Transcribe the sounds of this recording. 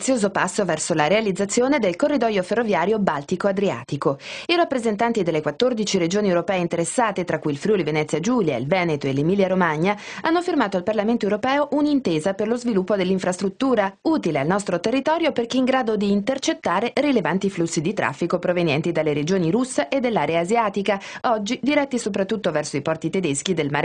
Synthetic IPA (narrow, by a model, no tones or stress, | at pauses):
t̪sːjoːzopasːovɛrsolaɾealid̪zːat̪sːjoːned̪elkorːid̪ɔjoferːovjaːɾjobalt̪ikoad̪ɾia̰ːt̪ikoirapːɾezent̪ant̪id̪elːekwat̪ːord̪it͡ʃiɾed͡ʒoːniewɾopɛːeint̪eɾesːaːt̪et̪ɾakːujilfɾjulivenɛt̪sjad͡ʒuːlja̰ḭlvɛːnet̪oelːemiːljaɾomaɲːaanːofirmaːt̪oalparlament̪oewɾopɛːoʔunint̪eːzaperlozvilupːod̪elːiɱfɾast̪ɾut̪ːuːɾauːt̪ilealnɔst̪ɾot̪erːit̪ɔːɾjoperkeiŋɡɾaːd̪od̪iːnt̪ert͡ʃet̪ːaːɾerilevant̪iflusːid̪it̪ɾʔa̰fːikopɾovenjɛ̰nt̪id̪alːeɾed͡ʒoːniɾusːeʔed̪ːelːaːɾeaːzjaːt̪ikaɔd͡ʒːid̪iɾɛt̪ːisop̬ɾat̪ːut̪ːovɛrsoipɔrt̪it̪ed̪esk̟id̪elmaɾ